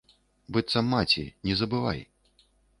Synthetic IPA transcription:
bɨt̪sɐmːat͡sʲḭnʲɛzɐbɨva̰j

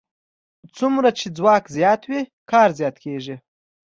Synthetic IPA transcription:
t͡sumɾat͡ʃed͡zwɑːkzjɑt̪wikɑːɾzjɑt̪kʰeʐi

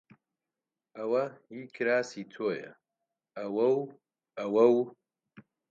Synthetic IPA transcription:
ʔɐwɐhiːkʰɨɾaːsiːt̪ʰoːjɐ̰ | ʔɐwɐw | ɐwɐw

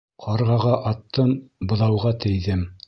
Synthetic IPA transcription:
qʰɑɾʁɑʁɑʔɑt̪ʰːɤmbɤ̆ðɑwʁɑt̪ɘ̆jðɘm

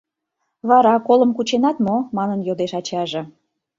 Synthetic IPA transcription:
βɑɾɑkoləmkut͡ɕenɑt̪momɑnənjod̪eʃɑt͡ɕɑʒĕ

